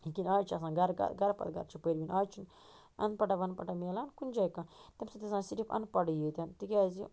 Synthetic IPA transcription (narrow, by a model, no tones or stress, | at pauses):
ikinaːjt͡ʃʰɐs̬ãːɡɐɾɡa̰ɡɐɾpɐ̰lɡɐ̰ɾt͡ʃʰipəɾbinʔaːjt͡ʃʰun | ɐ̰npɐʈɐʋɐnpɐʈɐmelankund͡ʒajkãt̪emsɐt̪isãːsiɾipɐ̰npɐɖjit̪ʲant̪ikʲaːzi